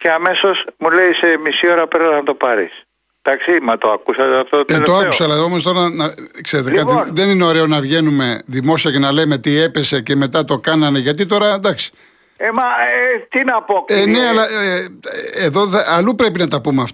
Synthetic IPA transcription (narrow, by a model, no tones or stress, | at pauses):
ceɐme̞so̞smule̞ise̞misio̞ɾɐpeɾɐznɐt̪o̞pɐɾḭs | d̪̥ɐksimɐt̪oɐkusɐt̪ɐft̪ot̪et̪oɐkusɐlɐo̞mo̞st̪o̞ɾɐnɐkse̞ɾe̞t̪̬ekɐt̪iðe̞nineo̞ɾe̞o̞nɐvʝe̞nume̞ðimo̞siɐce̞nɐleme̞t̪ie̞pe̞se̞ce̞me̞t̪ɐt̪o̞kɐnɐne̞ʝɐt̪̬it̪o̞ɾɐd̪ɐksi̥ | emɐt̪inɐpokeneɐlɐ | eðo̞ɐɐlupɾe̞pinɐt̪ɐpumeɐft̪